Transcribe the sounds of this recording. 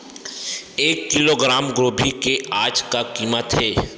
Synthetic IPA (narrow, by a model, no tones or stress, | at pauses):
eːkːɪloɡɾaːmɡɾoːbʱikeaːd͡ʒkakiːmət̪ɦɛː